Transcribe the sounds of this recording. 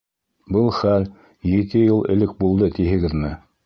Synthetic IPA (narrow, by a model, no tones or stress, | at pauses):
bɤlˠχæl | jit̪ɘjɤlˠɘ̆lɘk̚bulˠd̪ɤt̪iɦɘ̆ɡɘðmɘ